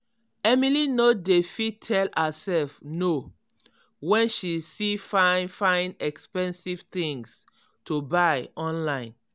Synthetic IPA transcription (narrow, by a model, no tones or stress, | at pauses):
ɛmilinodefitʰɛlasɛlfno | wɛ̃nʃisifãnfãɪ̃ndɛkspɛ̃nsiv̥t̪ĩŋs | tubaɪɔ̃nlãɪ̃n